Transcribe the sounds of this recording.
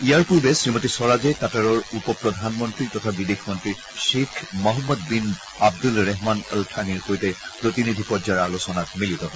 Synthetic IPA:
ijaɹpuɹbɛsɹimotisɔɹazɛtataɹɔɹupɔpɹɔd̪ʱanmɔntɹitɔtʰabidexʰmɔntɹi | ʃekʰmɔɦɔmːɔd̚bin | ab̚dulɹɛɦmanəltʰaniɹxojtɛpɹotinidʱipɔzaɹalosɔnak̚militɔɦɔ

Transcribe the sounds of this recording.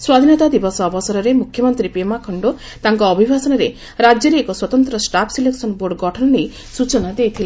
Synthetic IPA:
swad̪ʱinɔt̪ad̪ibɔsɔːbɔsɔɾɔɾemukʰjɔmɔnt̪ɾipemakʰɔɳɖo | t̪aŋkɔːbʱibʱasɔnɔɾe | ɾad͡ʒjɔɾeːkɔswɔt̪ɔnt̪ɾɔsʈapʰsileksɔnboɾɖɡɔʈʰɔnɔnej | sut͡ʃɔnad̪ejt̪ʰile

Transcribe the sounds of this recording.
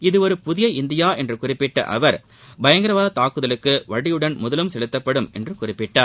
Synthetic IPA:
ɪðɯɔɾɯpʊðɪjɐɪnd̪ɪjaːʔɛndrɯkʊrɪpːɪʈːɐ̰ʔɐ̰ʋɐɾ | bɐjɐŋɡɪɾɐʋaːðɐt̪aːkːɯðɐlɯkːɯʋɐɽɪjɯɽɐnmʊðɐlɯmsɛɭɯt̪ːɐpːɐɽɯmɛndrɯkʊrɪpːɪʈːaːɾ

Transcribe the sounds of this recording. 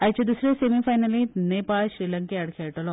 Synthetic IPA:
ɐjt͡ʃɐd̪usɾesemifɐjnɐlineːpaːʃɾiːlɐŋkeɐɽkʰeːʈolo

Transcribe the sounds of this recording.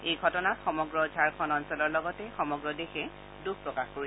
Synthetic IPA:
ejɡʱɔtɔnatxɔmɔɡɹɔd͡ʒʱaɹkʰɔnɔnsɔlɔɹlɔɡɔtɛxɔmɔɡɹɔdexɛ | dukpɹɔkaxkoɹi

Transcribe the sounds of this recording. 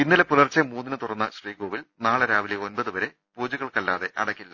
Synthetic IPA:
inːilepulɐrt͡ɕːɐmuːnːinɨt̪urɐnːɐɕriːɡoːʋilnaːɭɨɾaːʋileo̞nbɐðɨʋɐɾe̞ | puːd͡ʑuɣɐɭkɐlːa̰ːðe̞ʔɐɽɐkʲːilːɐ

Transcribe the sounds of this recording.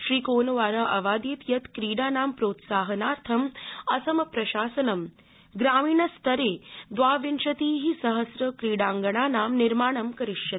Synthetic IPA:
ʃɾiːkoːnɐʋaːɾaʔɐʋaːd̪jeːt̪jɐt̪kɾiːɽaːnaːmpɾoːt̪saːɦɐnaːɾt̪ʰɐmɐsɐmɐpɾɐʃaːsɐnɐm | ɡɾaːmiːɳɐst̪ɐɾeːd̪ʋaːʋinʃɐt̪iːɦisɐɦɐsɾɐkɾiːɽaːŋɡɐɳ̃aːnaːmniɾmaːɳɐmkɐɾiʂjɐt̪i̥

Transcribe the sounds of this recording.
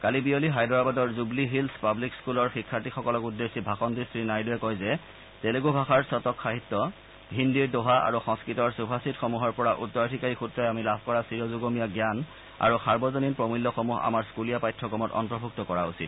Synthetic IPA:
kalibioliɦajdɔɹabadɔɹzubliɦilspablikskulɔɹxikʰːatixɔkɔlɔkudːesibʱaxɔndisɹinajdɔɛkɔjzɛ | teleɡubʱaxaɹsɔtɔkxaɦitːɔ | ɦindiɹdoɦaʔa̰ɹuxɔŋskɹitɔɹsubʱasitxomuɦɔɹpɔɹaʔṵtːɔadʰʱikaɹixutɹɔjamilabʱkɔɹasiɹɔzuɡomijaɡjan | a̰ɹuxaɹbɔzɔninpɹɔmilːɔxomuɦa̰maɹskulijapajtʰːɔkɔmɔtɔ̰ntɹɔbʱuk̚tɔkɔɹausḭt

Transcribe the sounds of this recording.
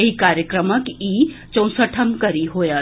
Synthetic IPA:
eikaːɾjəkɾəməkiːt͡ʃɐ̃ʊ̃səʈʰəmkɐɾiɦoja

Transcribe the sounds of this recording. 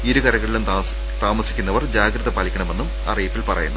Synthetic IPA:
iɾukɐɾɐɣɐɭilum | t̪aːmɐsikʲːunːɐʋɐrd͡ʑaːɡɾɐðɐpɐlikʲːɐɳɐme̞nːum | ɐ̰rijipːilpɐrɐ̰junːɐ

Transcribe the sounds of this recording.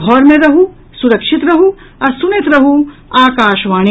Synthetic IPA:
ɔːɾmẽɾɐɦũ | sʊɾɐkʃɪt̪ɾɐɦu | ɔːɾsʊnɪt̪ɾɐɦũaːkaːʃʋaːñi

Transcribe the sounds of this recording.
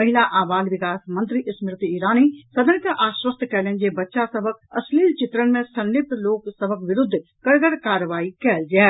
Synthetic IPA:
ɐɦɪlaʔaːʋaːlʋɪkaːsmɐ̃nt̪ɾiʔɪsmɪɾt̪iiːɾaːnisɐd̪ʱənɪk̪ɐ̃ʔaːʃwəst̪ʰkɐːlənd͡ʑeːbɐtːʃasɐbʱək̚ɐsliːlt͡ɕɪt̪ɾənɪ̆mẽsɐ̃nɖɪt̪loːksɐbʱəkʋɪɾʊd̪ʱːkɐɾɡəɽkaːɾəʋaːikɐəld͡ʑaː

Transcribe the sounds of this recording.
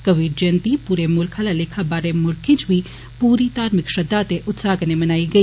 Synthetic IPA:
kəʋiːɾd͡ʒənt̪iːpuːɾeːmʊlkʰalaːleːkʰaːbaːɾemʊlkʰɪ̃ːt͡ʃʋiː | puːɾiːt̪aːɾmɪkʃəd̪aːt̪eʔʊt̪saːɡnemənaːiːɡəiː

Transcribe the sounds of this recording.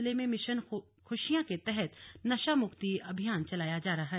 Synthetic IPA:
lemẽmɪʃən | xʊʃijãket̪ɛɦɛt̪nɐʃamʊkt̪iɐbʱijaːnt͡ʃɐlaːjad͡ʒaːɾɐɦaɦ

